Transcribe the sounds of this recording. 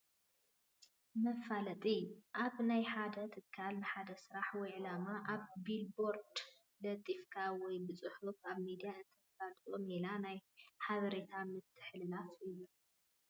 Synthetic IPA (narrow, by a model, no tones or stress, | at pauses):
mɐfalɐt̪ʼiʔaβnajħad̪ɐt̪ʰɨkʰːalnɨħad̪ɐsɨɾaħwɔjʕɨlamaʔaβːilbo̞ɾd̪ | d̪ɐt̪ʼifkʰawɔjbɨt͡sʼɨħufaβmid̪ijaɨnt̪ʰɐfalt̪ʼomelanajħaβɐɾe̞t̪ʰamɨt̪ʰːɨ̥ħlɨlafijːu